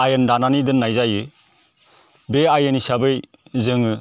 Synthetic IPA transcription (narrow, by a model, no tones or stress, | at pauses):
ajɯndananidɯnːajzajɯ | beajɯnisabɯj | zɯŋɯ